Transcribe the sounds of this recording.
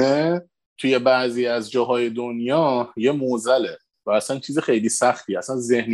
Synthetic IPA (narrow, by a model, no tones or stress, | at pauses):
e | t̪ʰuje̞bæʔziːæzd͡ʒɒːɦɒːje̞d̪onjɒːje̞mozæle | væːsænt͡ʃʰiːzixe̞jliːsæxt̪ʰiːæsænze̞hn